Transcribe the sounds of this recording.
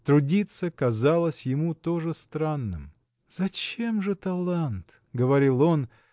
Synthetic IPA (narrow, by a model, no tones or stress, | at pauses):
t̪ɾʊdʲit̪səkɐzalˠəsʲjɪmut̪o̞ʐɨst̪ɾanːɨm | z̥ɐt͡ɕe̞mʐɨt̪ɐlˠant̪ | ɡəvɐɾʲilˠo̞n